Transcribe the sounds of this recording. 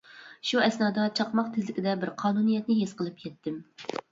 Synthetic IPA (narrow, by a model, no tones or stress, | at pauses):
ʃuɛsnɑːd̪ɑt͡ʃʰɑqmɑq̚t̪ʰɪzlɪkʲid̪ɛbɪɾqʰɑːnunijɛt̪̚nɪɦesqəlˠɨp̚kʲʰɛt̪ːɪm